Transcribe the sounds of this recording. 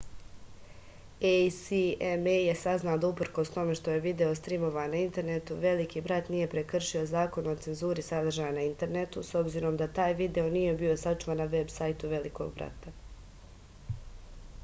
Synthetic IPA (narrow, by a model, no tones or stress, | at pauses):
ejsiemeje̞saznaod̪aupr̩ko̞st̪o̞me̞ʃt̪o̞je̞ʋid̪e̞o̞st̪ɾimo̞ʋanaint̪e̞ɾne̞t̪uʋe̞likiːbɾat̪nije̞pɾekr̩ʃio̞zaːko̞nuot̪se̞nzuːɾisad̪r̩ʒajnaint̪e̞ɾne̞t̪uso̞bziɾo̞md̪at̪aːjʋid̪e̞o̞nije̞bio̞sat͡ʃuʋanːaʋe̞bsajt̪uʋe̞liko̞̰ɡ̚bɾa̰t̪a